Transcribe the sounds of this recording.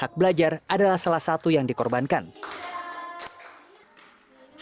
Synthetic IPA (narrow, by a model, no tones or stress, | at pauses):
ak̚bəlad͡ʒaradalahsalahsat̪ujaŋdikɔrbankan | s